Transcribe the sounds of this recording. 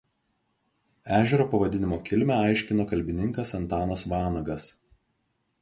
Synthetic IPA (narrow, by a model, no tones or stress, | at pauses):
æːʒʲɛɾoːpɐʋɐd̪ʲɪnʲɪmoːkʲɪlʲmʲɛɐɪʃʲkʲɪnoːkɐlʲbʲɪnʲɪŋkɐsɐnt̪ɑːnɐsʋɑːnɐɡɐs